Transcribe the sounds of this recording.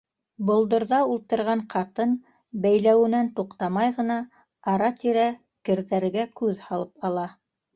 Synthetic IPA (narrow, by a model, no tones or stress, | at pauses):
bŏlˠd̪ŏɾðɑulˠt̪ɤ̆ɾʁɑɴqɑt̪ɤn | bæjlæwɘ̆nænt̪uqt̪ɑmɑjʁɤ̆nɑ | ɑɾɑt̪iɾæ | kɘ̆ɾðæɾɘ̆ɡækʉðhɑlˠɤpɑlˠɑ